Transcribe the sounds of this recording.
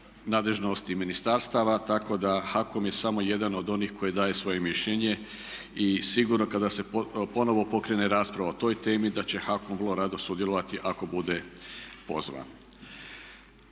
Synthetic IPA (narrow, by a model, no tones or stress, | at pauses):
naːd̪le̞ʒno̞st̪iminist̪aɾst̪aʋat̪ako̞d̪axako̞mje̞samo̞je̞d̪ano̞d̪o̞nixko̞jid̪aːjesʋo̞je̞miʃʎe̞ɲe̞ | isiɡuɾno̞kad̪ase̞po̞no̞ʋo̞po̞kɾe̞ne̞ɾaːspɾaʋaot̪o̞ːjt̪e̞ːmid̪at͡ɕe̞xako̞mvrlˠoɾad̪o̞sud̪jelo̞ʋat̪iʔako̞bud̪e̞po̞̰zʋa̰n